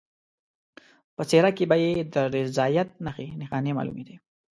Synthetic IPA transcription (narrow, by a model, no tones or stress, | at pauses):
pət͡seɾakebajed̪əɾɪzɑjat̪̚naxinɪxɑnemɑ̰lṵmed̪i